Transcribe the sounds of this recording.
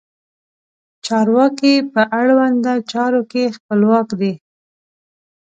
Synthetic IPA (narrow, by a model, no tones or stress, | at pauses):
t͡ʃɑɾwɑkipəʔaɽwand̪at͡ʃɑɾokexpəlwɑkd̪e